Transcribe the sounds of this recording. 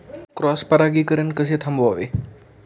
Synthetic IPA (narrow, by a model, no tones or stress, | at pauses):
kɾɔspɐɾaɡiːkəɾenkəset̪ʰɐmboʋe